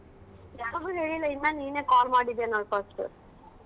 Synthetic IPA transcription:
jaːɾɐʋuɦeːɭilːɐinːaniːneːkaːlmaːɽid̪janɐːɭpɐsʈɨ̰

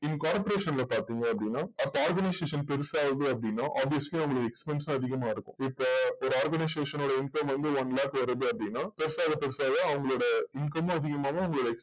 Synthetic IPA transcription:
ɪnːkaːɾpɐɾeːʂɐnlɐpaːɾt̪iːŋɡɐɐpːɐɽɪnːaːɐpːaːɾɡɐnɐɪseːʂɐnpɛɾɯsaːʋðɯɐp̬ːɐɽɪnːaːʔaːbʋɪjɐsliɐʋɐŋɡɐɭɯkːɛkspɛnsãːɐðɪɣɐmaːɪɾɯkːʊ̰̃ɪpːoːɔɾɯaːɾɡɐnɐɪseːʂɐnoːɽɐɪɳkɐmʋɐnd̪ɯʋɐnlaːkʋɐɾɐðɯɐpːɐɽɪnːaːpɛɾɯsaːɣɐpɛɾɯsaːɣɐɐʋɐŋɡɐɭoːɽɐɪnkɐm̃ɐðɪɣɐmaːʋɐɐʋɐŋɡɐɭoːɽɐɛks

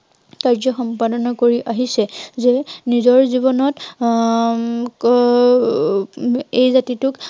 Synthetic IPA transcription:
kaɹzɔxɔmpadɔnɔkoɹiʔaɦisɛzenizɔɹzibɔnɔt | ejzatitʊk

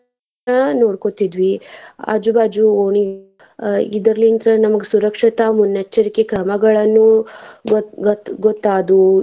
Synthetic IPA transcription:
ɐnoːɽkot̪id̪ʋiɐ̰d͡ʒubaːd͡ʒuoːɳi | id̪ɐɾlːint̪ɾɐnɐmɐɡesuɾɐkʂit̪ɐmunːɐt͡ʃːɐɾikekɾɐmɐɡɐɭɐnːu | ɡot̪ːaːd̪u

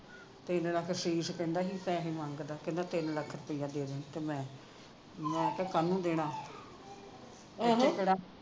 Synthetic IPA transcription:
t̪ɪnləkʰsiːskɛ̃ːnd̪aːɦiːpɛ̃ːɦemãŋɡd̪aːkɪ̃nd̪ãːt̪ɪnləkʰːɾpɪjãːd̪eːd̪eːnt̪eːmɛ̃ː | mɛ̃ːk̪ɛːkənũːd̪eːɽaː | əkəɽaː

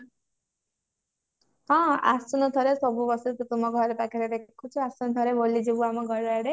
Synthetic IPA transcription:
ɦɔ̃a̰sunɔt̪ʰɔɾesɔbubɔsɔɾit̪ut̪umɔɡʱɔɾepakʰeɾed̪ekʰut͡ʃʰuasunɔt̪ʰɔɾebolid͡ʒebuamɔɡɔɾaɽe

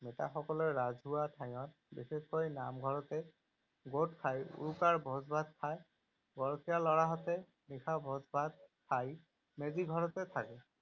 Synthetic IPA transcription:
mɛta̰xɔkɔlɔɹɹazʱɦuwatʰaj̃ɔt̚ | bixexɔjnamɡʱɔɹɔtɛ | ɡot̚kʰajṵɹukaɹbʱɔzbʱad̪̚kʰaj | ɡɔɹɔkʰijalɔɹaɦɔtɛ | nixabʱɔzbʱad̪̚kʰaj | meziɡʱɔɹɔtɛtʰakɛ

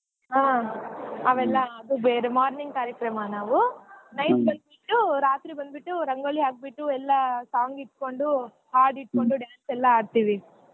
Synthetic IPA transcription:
ɦaː | ɐʋɛlːɐːd̪ubeːɾemaːɾniŋɡkaːɾjɐkɾɐmɐnaːʋunɐjt̪bɐnd̪̚biʈːuɾaːt̪ɾibɐnd̪biʈːuɾɐŋɡoːliaːɡ̚biʈːuɛlːɐsaːŋɡiʈko̞ɳɖu | haːɾɖiʈ̚ːko̞ɳɖuɖjaːnsɛlːɐaːɖt̪iːʋi

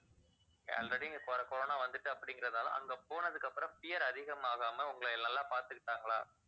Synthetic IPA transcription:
ɐ̰lrɐɽɪɯɡɐkɔɾɐkɔɾoːnaːʋɐnd̪ɯʈːɯɐpːɐɽɪŋɡɪɾɐðɯnaːlɐ̰̃ʔɐ̰ŋɡeːpoːnɐðɯkːɐpːɯɾɐ̃mpɪjɐɾɐðɪɣɐmaːɣaːmɐʊŋɡɐɭɐnːɐlːãːpaːɾt̪ɯkːɪʈːaːŋɡɐɭa̰ː

